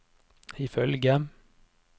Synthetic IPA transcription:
ɪfœlɡə

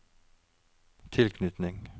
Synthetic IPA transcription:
t̪ʰɪlkʰnʏt̪nɪŋ

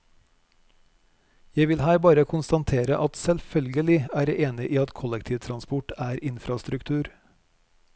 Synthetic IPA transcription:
jæɪʋɪlhæːɾbɑːɾəkʰʊnst̪ɑnt̪ʰeːɾə̰ʔɑt̪sɛlfœlɡəlɪæːɾəʔeːnɪʔiːɑt̪kʰɔlɛkt̪ʰiːʋt̪ʰɾɑnspʊʈæːɾɪnfɾɑst̪ɾʉkt̪ʰʉːɾ

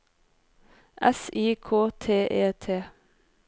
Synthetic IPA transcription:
ʔɛsiːkʰoːt̪ʰeːʔeːt̪ʰeː

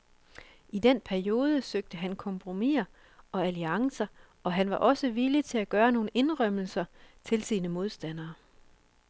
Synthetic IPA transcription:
id̥en̰pʰæɐio̝ːð̞ˠəsøɡ̥̚d̥əɦænkʰɒ̽mpʰʁo̝mḭɐ | ʔɒ̽æliɑ̈ŋsɐ | ʔɒ̽ɦænʋɑ̈ʔɒ̽səʋilət͡sʰe̝læɡ̥ɶːɐno̝ːn̩e̝nʁœm̰l̩sɐt͡sʰe̝lsiːnəmo̝ð̞ˠsd̥æn̰ɐː

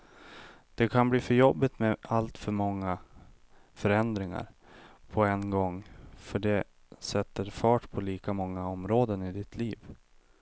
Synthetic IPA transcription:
d̪̥ɛkʰanbliːfœɾjɔbːɪt̪mɛalt̪fœɾmɔŋːa | fœɾɛnd̪ɾɪŋa̰ɾ | pʰɔɛnɡɔŋːfœɖɛ | sɛt̪ːəɾfɑːʈpʰɔliːkamɔŋːaɔmɾoːd̪ənɪd̪ɪt̪ʰliːv

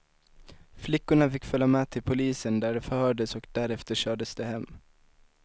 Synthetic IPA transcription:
flɪkːʊɳafɪkːfœlːamɛːt̪ʰɪlpʰʊliːsənd̪æɖɛfœɾhœːɖəsɔkd̪æɾɛft̪əɕœːɖəsd̪ɛhɛmː

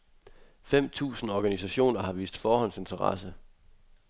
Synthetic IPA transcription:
fem̰t͡sʰṵːsn̩ɒɡ̥ænisæɕo̝̰ːnɐɦɑ̈ʋḭːsd̥fɒːhɒ̽nse̝nt͡sʰɐʁɑ̰̈sə

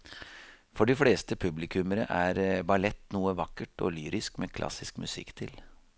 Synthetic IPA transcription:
fɔɖɪfleːst̪əpʰʉblɪkʰʉməɾə̰ʔæɾbɑlɛt̪ːnuːəʋɑkːəʈɔ̰lyːɾɪskmeːkʰlɑ̰sɪskmʉsɪ̰kːt̪ʰɪl

